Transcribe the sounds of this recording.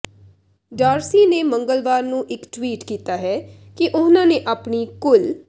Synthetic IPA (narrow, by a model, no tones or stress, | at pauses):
ɖaːɾsiːneːmə̃ŋɡəlʋaːɾnũːʔɪkʈwiːʈkiːt̪aːɦɛː | kɪʔʊnãːneʔaːpniːkʊl